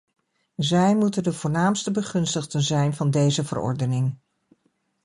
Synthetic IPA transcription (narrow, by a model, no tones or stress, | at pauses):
zɛjmutəndəvʊːɹnaːmstəbəχɵnstəχdənzɛjnvɑndejzəvə̰rɔ̰ɹdənɪŋ